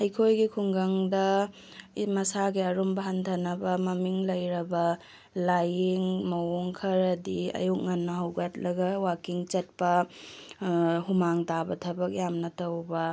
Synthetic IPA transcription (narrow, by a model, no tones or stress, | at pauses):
ɐjkʰojɡikʰuŋɡɐŋdɐ | mɐsaɡiɐɾumbɐɦantʰɐnɐbɐmɐmiŋlɐjɾɐbɐ | lajiŋmɐwoŋkʰɐɾɐdiɐ̰juk̚ŋɐnːɐɦɐwɡɐt̚lɐɡɐwakiŋt͡ʃɐt̚pɐ | humaŋtabɐtʰɐbɐk̚jamnɐtɐwbɐ